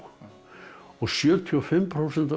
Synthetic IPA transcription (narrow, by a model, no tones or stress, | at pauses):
ɔɣsjœːt̪ʰiɔfɪmːpʰɾawsɛnt̪a